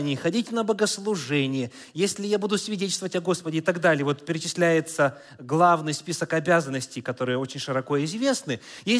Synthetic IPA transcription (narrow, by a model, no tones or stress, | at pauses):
nʲɪxɐdʲitʲnəbəɡəslˠʊʐɛnʲɪjə | jesʲlʲɪjabud̪ʊsvʲɪdʲet̪̬ʲlʲst̪vəvətʲɐɡo̞spədʲɪɪt̪ɐɡd̪alʲɪjəvo̞t̪pʲɪɾʲɪt͡ɕɪsʲlʲæjɪt̪sə | ɡlˠavnɨjspʲisəkɐbʲazənːəsʲtʲɪjkɐt̪o̞ɾɨjəo̞t͡ɕɪnʲʂɨɾɐko̞ɪzvʲe̞snɨje